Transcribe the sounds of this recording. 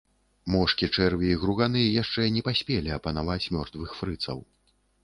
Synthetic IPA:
mɔʂkʲit͡ʂɛrvʲiiɣɾuɣanɨjɛjaʂt͡ʂɛnʲɛpasʲpʲɛlʲiɐpɐn̪avat͡sʲmʲɔrt̪vɨxfɾɨt̪sɐ̰w

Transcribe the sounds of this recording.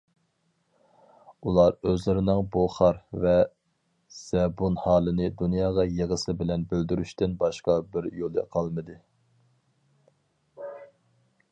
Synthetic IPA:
ulˠɑɾøzlɪɾɪnɪŋboχɑɾvɛ | z̥ɛbunhɑːlˠɨnɨd̪unjɑːʁɑjeʁəsɨbɪlɛnbøld̪yɾyʃt̪ɪnbɑʃqɑbɪɾjolˠɨ̰qʰɑlˠmɨd̪ɨ

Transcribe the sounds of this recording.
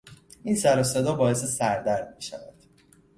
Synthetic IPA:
insæɾosed̪ɒːbɒːje̞sesæɾd̪æɾd̪̚miʃæ̰væ̰d̪̥

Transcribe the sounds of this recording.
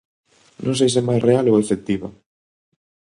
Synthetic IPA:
nõŋsejs̬ɛmajsrealowefek̚t̪iβa̰

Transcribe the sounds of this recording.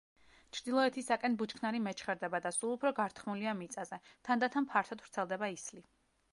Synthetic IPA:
t͡ʃʰɾd̪ilˠɔɛt̪ʰisakʼɛnbut͡ʃkʰnaɾimɛt͡ʃχɛɾd̪ɛbad̪asulˠupʰɾɔɡaɾt̪ʰχmuliamit̪sʼazɛt̪ʰand̪at̪ʰampʰaɾt̪ʰɔd̪vɾt̪sʰɛlˠd̪ɛbaisli

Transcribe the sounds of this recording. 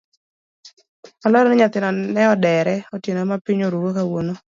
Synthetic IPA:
alɔɾnɛɲat̪ɪnɔnɛɔdɛɾɛɔtjenomapiɲoɾuwokawono

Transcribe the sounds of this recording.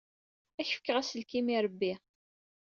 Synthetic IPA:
æçfə̥kːəʁæsəlkimiɾˤəbːi

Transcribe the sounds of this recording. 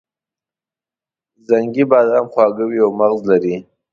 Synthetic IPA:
zaŋɡibɑːd̪ɑmχwɑɡawiawmaɣzlaɾi

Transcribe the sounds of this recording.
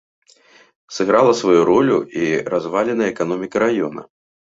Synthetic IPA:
sɨɣɾalˠɐsvajuɾɔlʲuiɾazvalʲɛnɐjəɛkanɔmʲikɐɾajɔnɐ̰

